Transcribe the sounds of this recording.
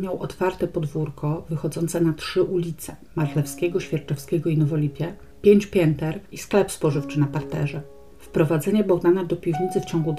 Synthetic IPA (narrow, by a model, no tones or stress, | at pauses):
mʲjawʔɔt̪faɾt̪ɛpɔd̪vuɾkɔvɘxɔd̪zɔnt̪sɛnatʂɘʔulʲit̪sɛ̥maɾlɛfskʲɛɡɔɕfʲjɛɾt͡ʂɛfskʲɛɡɔinɔvɔlʲipʲjɛ | pʲjeɲt͡ɕpʲjɛnt̪ɛɾisklɛpspɔʐɘft͡ʂɘnapaɾt̪ɛʐɛ | fpɾɔvad̪zɛɲɛbɔɡd̪anad̪ɔpʲivɲit̪sɘft͡ɕɔŋɡud̪